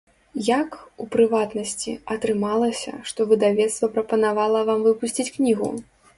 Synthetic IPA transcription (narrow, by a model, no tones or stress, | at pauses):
jakupɾɨvat̪nɐsʲt͡sʲḭɐt̪ɾɨmalˠɐsʲɐ̰ʂt̪ɔvɨd̪avʲɛt̪st̪vɐpɾɐpɐnavalˠɐvamvɨpusʲt͡sʲit͡sʲknʲiɣṵ